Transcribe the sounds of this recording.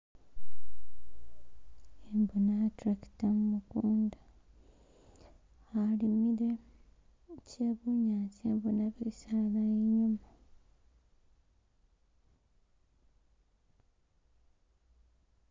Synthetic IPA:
embonatɾaki̥tamumukuːnda | alimiɾe | cʰeβuɲacembonaβeisalalaiɲuma

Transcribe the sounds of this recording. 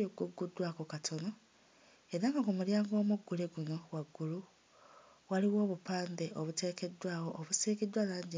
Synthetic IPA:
oɡuɡːudwakokatʰo̞no | e̞ɾaŋɡakumuljaːŋɡo̞ːmuɡːuleɡuno̞waɡːulu | waliwo̞ːβupaːnde̞oβute̞ːke̞dwaːwo̞ʔːβuseːkidwalaːɲɟi

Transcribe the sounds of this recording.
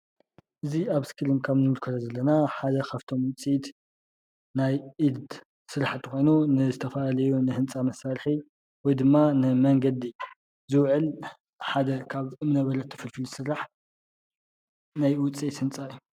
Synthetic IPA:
ʔɨziaβskʰɨlɨmkʰaβnɨwɨlkʰɐlɐzɐlːɐnaħad̪ɐkʰaft̪ʰo̞mwʊt͡sʼit̪ | najʔid̪d̪ | sɨɾaħt̪ʰːɨxʷo̞jnunɨzɨt̪ʰɐfɐlalɐjunɨhɨnt͡sʼamɐsalħi | wɔjd̪ɨmːanɨmɐŋɡɐd̪i | zɨwʕɨl | ħad̪ɐkʰaβɨmɨnɐβɐlɐt̪ʰːɐ̥fɨlfɨlusɨɾaħ | najwʊt͡sʼisɨnt͡sʼajːu

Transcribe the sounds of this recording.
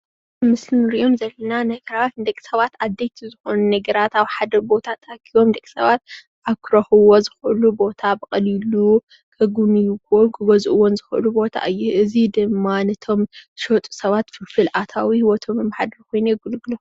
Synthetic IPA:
mɨsɨnɨɾio̞mzɐlːɐnanɐɡɐɾawt̪d̪ɐkʼi̥sɐβat̪ad̪ːejt̪ʰizɨxonunɐɡɐɾat̪aβħad̪ɐbo̞t̪ʰat̪ʰʼːɡiwo̞md̪ɐkʼi̥sɐβat̪̚ | ʔaβkʰɨɾɐxɨwozɨxɨʔɨlubo̞t̪ʰabɨkʼɐlilu | kʰɐɡunɨjukʰokʰɨbɐzuʔwɔnzɨxɨʔɨlubo̞t̪ʰa̰ʔɨjːuʔɨzid̪ɨmːanɐt̪ʰo̞mʃot̪ʼu̥sɐβat̪fɨfɨlʔat̪ʰawihiwɔt̪ʰo̞mɨmħad̪ɐɾkʰo̞jnuɡɨlɡɨlo

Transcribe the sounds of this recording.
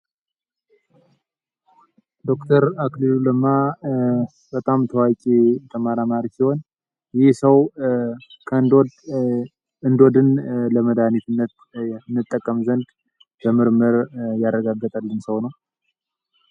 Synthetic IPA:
d̪o̞kt̪ʰəɾakliluləmːa | b̥ət̪ʼamt̪ʰəwat͡ʃʼit̪ʰəmaɾamaɾikiho̞n | jɪsəw | kʰənd̪o | ɨnd̪o̞d̪ɨnləməd̪anit̪ʰɨnːət̪ | nːɨt̪ʼːəkʼːəmzənd̪ | bəmɨɾməɾjarːəɡaɡːət̪ʼalːɨnsəwnəw

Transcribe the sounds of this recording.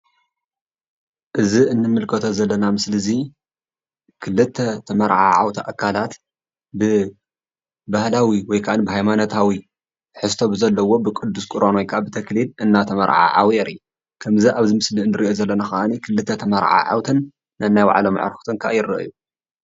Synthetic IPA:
ʔɨziɨnːɨmːɨlkʰɐt̪ʰozɐlːɐnamɨslɨzi | kʰɨlːɨt̪ʰːɐt̪ʰɐmɐɾʕa̰ʕa̰wt̪ʰaʔakʰːalat̪ | bɨ | bahlawiwɔjkʰaʔɨnbɨɦajmanot̪ʰawi | ħɨst̪ʰo̞bɨzɐlːɐwo̞bɨkʼɨd̪ːuskʼɨɾonojkʰabɨt̪ʰɐklilɨnːat̪ʰɐmɐɾʕa̰ʕa̰wiɛɾi | kʰɐmziʔaβzimɨsliɨnːɨɾiʔozɐlːɐnaxɐʔanikʰɨlɨt̪ʰːɐt̪ʰɐmɐɾʕa̰ʕa̰wt̪ʰɨnː | ɐnːajwa̰ʕloma̰ʕ̰ɾxu̥t̪ʰɨŋkʰa̰ʔjɪɾɐ̰ʔɨ̰ju

